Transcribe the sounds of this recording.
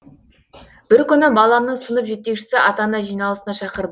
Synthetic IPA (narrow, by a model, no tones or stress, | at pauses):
b̥ɪɾkʲʰʏnɪbɑlˠɑmnəɴsənəpʒe̞t̪ːe̞kʃɪ̥sɪʔɑt̪ɑnɑʒijnɑlˠəsənɑʃɑqəɾd̪ə